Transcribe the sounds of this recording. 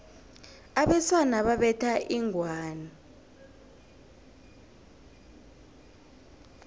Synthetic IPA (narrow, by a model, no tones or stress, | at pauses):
aɓɛswanaɓaɓɛtʰaʔiŋʱwaːna